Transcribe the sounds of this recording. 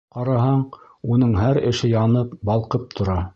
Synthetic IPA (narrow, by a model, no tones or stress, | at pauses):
qɑɾɑɦɑɴ | unɤɴɦæɾɘ̆ʃɘjɑnɤp̚bɑlˠqɤp̚t̪ʰŏɾɑ